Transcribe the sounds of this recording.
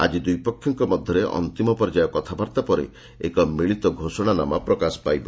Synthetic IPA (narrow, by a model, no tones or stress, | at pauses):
a̰d͡ʒid̪ujpɔkʰːjɔŋkɔmɔd̪ʱjɔɾeʔɔ̰nt̪imɔpɔɾd͡ʒajɔkɔt̪ʰabaɾt̪apɔɾḛ | ḛkɔmiɭit̪ɔɡʱosɔɽ̃anamapɾɔkasɔ̥pajbɔ